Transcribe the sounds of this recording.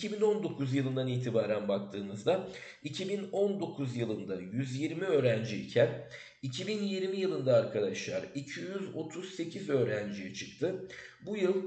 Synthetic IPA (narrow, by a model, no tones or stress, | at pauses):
icʰibino̞nd̪o̞kʰuzjɯlˠɯnd̪aniːt̪ʰibaːɾænbak̚t̪ʰɯːnɯzd̪a | icʰibino̞nd̪o̞kʰuzjɯlˠɯnd̪ajyzjiɾmiøːɾænd͡ʒiicʰæn | icʰibinjiɾmijɯlˠɯnd̪aːɾkʰad̪aʃlˠaɾicʰijyzo̞̰t̪ʰuzse̞cʰizø̞ːɾænd͡ʒijɛt͡ʃʰɯk̚t̪ʰɯ | bujɯlˠ